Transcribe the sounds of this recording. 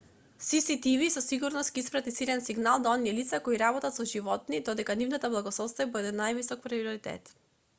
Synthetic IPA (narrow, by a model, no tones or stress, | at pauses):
sisit̪ivisɔsiɡuɾnɔst̪kiispɾat̪isilɛnsiɡnalˠd̪aɔniɛlit̪sakɔiɾabɔt̪at̪sɔʒivɔt̪nid̪ɔd̪ɛkanivnat̪ablˠaɡɔslˠɔt̪st̪ajabəd̪ɛnajvisɔk̚pɾiviɔɾit̪ɛ̰t̪